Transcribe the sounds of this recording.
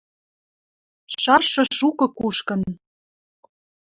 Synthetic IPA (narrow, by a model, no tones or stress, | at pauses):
ʃɑrʃɤ̆ʃukɤ̆kuʃkɤ̆n